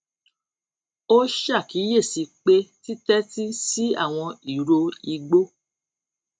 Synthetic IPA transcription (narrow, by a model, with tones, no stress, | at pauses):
o˦ʃa˦˨ki˨˦je˦˨si˨˧k͡pe˦ti˦tɛ˦ti˦si˦a̰˦˨w̃ɔ̃˧i˨ɾo˧i˧ɡ͡bo˦